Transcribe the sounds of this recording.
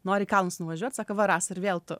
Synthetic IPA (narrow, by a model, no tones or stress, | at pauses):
noːɾʲɪkɐlˠnʊsnʊʋɐʒʲuɔt̪ʲsɑːkɐʋɐɾɑːsɪrʋʲeːlˠt̪ʊ